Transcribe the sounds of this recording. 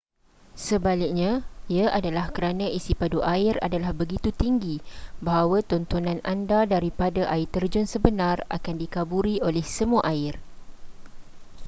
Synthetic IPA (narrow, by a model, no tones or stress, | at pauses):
səbalɪk̚ɲãiaʔadalahkəɾanãisipaduʔaɪra̰dalahbəɡit̪ut̪iŋɡibaɦawat̪ɔnt̪onãnʔandadaɾipadaʔaɪt̪ərd͡ʒʊnsəbənãra̰kandikabuɾiolɛhsəmũaʔaɪr